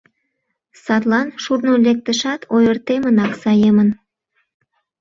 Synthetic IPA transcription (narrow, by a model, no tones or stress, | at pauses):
sɑt̪lɑnʃurnolek̚t̪əʃɑt̪ʰojərt̪emənɑksɑjemən